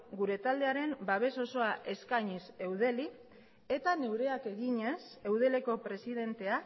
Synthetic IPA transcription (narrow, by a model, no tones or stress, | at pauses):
ɡuɾe̞t̪ald̪e̞aɾe̞mbaβ̞e̞so̞so̞aʔe̞skaɲise̞wð̞e̞li | e̞t̪ane̞wɾe̞ake̞ɣiɲe̞se̞wð̞e̞le̞ko̞pɾe̞sið̞e̞nt̪e̞a